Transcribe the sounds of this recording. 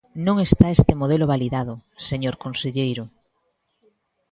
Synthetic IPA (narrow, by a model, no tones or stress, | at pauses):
nõŋest̪aest̪emoðeloβaliðaðʊseɲoɾkonseʎejɾʊ